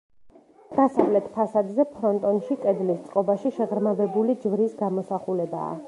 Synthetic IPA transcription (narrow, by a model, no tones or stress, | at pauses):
d̪̥asavlɛt̪ʰpʰasad̪zɛpʰɾɔnt̪ʼɔnʃikʼɛd̪list̪sʼqʼɔbaʃiʃɛʁɾmavɛbulid͡ʒvɾisɡamɔsaχulɛba̰ː